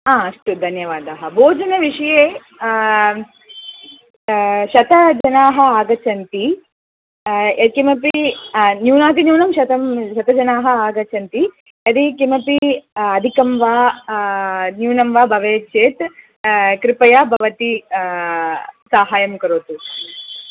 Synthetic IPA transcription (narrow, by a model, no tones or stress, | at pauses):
aːɐʂʈud̪ʱɐnjɐʋaːd̪aːɦɐbʱoːd͡ʒɐnɐʋiʂɐjeː | ʃɐt̪ɐd͡ʒɐnaːɦɐaːɡɐt͡ʃɐnt̪i | ɐkimɐpinjuːnaːt̪̬injuːnɐmʃɐt̪ɐmʃɐt̪ɐd͡ʒɐnaːɦɐaːɡɐt͡ʃɐnt̪i | jɐd̪ikimɐpiɐd̪ʱikɐmʋaː | njuːnɐmʋaːbʱɐʋeːt͡ʃeːt̪ | kɾipɐjaːbʱɐʋɐt̪i | saːɦaːjɐmkɐɾoːt̪u